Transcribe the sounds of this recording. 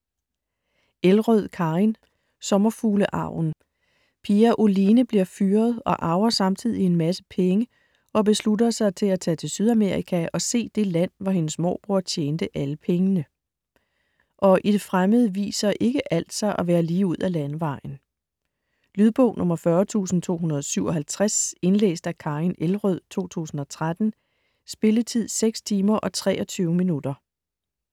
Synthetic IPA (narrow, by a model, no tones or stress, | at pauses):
elʁœð̞̰ˠkʰɑ̈in | sɒ̽mɐfuːləʔɑ̰̈ʊ̰n̩ | pʰiæʔolinəb̥liɐ̰fyːɐð̩ˠɒ̽ʔɑ̈ʊɐsɑ̈mt͡sʰið̞̰ˠie̝nmæsə̥pʰeŋə | ʔɒ̽b̥e̝sludɐsɑ̈ɪt͡sʰe̝læt͡sʰɛ̰ːt͡sʰe̝lsyð̞ˠæme̝ɐʁikʰæʔɒ̽se̝̰ːd̥e̝læn̰ʋɑɦe̝nəsmɒ̰ːb̥ʁuɐ̰t͡ɕʰjeːnd̥əʔæləpʰeŋənə | ʔɒ̽ʔid̥e̝fʁaməð̞ˠəʋḭːsɐʔe̝ɡ̥əʔæl̰d̥sɑ̈ɪʔɒʋæːɐliːuð̞̰ˠælænʋɑ̈ɪ̰n̩ | lyðˠb̥ɔ̰ʊ̰nʔɔ̽mɐfɶɐt͡sʰṵːsn̩t͡sʰo̝̰ːɦunɐð̞ˠɒsyʊ̰ɒ̽ɦælt͡sʰʁase̝nlḛːsd̥ækʰɑ̈inelʁœð̰ˠt͡sʰo̝̰ːt͡sʰṵːsn̩ɒ̽t͡sʰʁad̥n̩ | sb̥e̝lət͡sʰið̞̰ˠseɡ̥st͡sʰiːmɐʔɒ̽t͡sʰʁɛ̰ːɒ̽t͡sʰyːʊminud̥ɐ